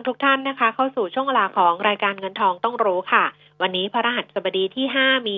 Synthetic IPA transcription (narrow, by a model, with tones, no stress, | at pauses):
ŋt̪ʰu˦˥k̚t̪ʰa˥˩nːa˦˥kʰa˦˥kʰa˥˩wsuː˨˩t͡ɕʰu˥˩əŋwe˧laː˧˩kʰɔː˩˦ŋɾaː˧jkaː˧nŋɤ˧nt̪ʰɔː˧ŋt̪ɔ˥˩ŋɾuː˦˥kʰa˥˩ | wa˧nːiː˦˥pʰa˧ɾa˧ɦa˨˩t̪̚sa˨˩ba˧diː˧t̪ʰiː˥˩ɦaː˥˩miː˧